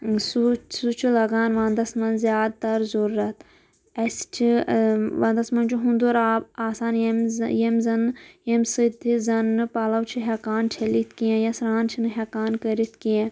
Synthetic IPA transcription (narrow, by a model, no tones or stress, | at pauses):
susut͡ʃʰilɐɡaːnʋãːnd̪ɐsmɐnzʲjaːd̪̚t̪ɐɾzuɾːɐt̪ | ɐst͡ʃʰiʋãːnd̪ɐsmɐnt͡ʃʰuɦũnd̪uɾaːbaːsaːnjmjemzɐnjemsɨt̪izɐnɨpaːlɐwt͡ʃʰiɦekaːnt͡ʃʰelit̪ʰkijẽjɐsɾaːnt͡ʃʰinɨɦekaːnkɐɾit̪ʰkijẽ